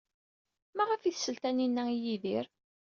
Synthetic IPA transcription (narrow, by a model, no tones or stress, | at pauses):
mæʁəfiθsəlt̪æninːæijiðiɾ